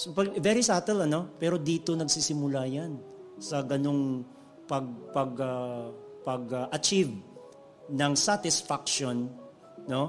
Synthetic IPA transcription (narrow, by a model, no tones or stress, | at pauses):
sopɐɡvɛɾisaːt̪ɛlɐno̞pɛɾo̞d̪iːt̪o̞nɐɡsisɪmʊlajansɐɡɐno̞ŋ | pɐɡ̚pɐɡɐpɐɡɐʔɐt͡ʃiv | nɐŋsat̪ɪsfak̚ʃonː | o̞